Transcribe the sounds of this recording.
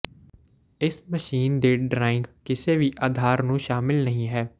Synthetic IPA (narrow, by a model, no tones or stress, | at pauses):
ɪsməʃiːnd̪eːɖɾaːɪ̃ŋɡkɪseʋiːʔaːd̪ʱaːɾnũʃaːmɪlnəɦĩɦɛː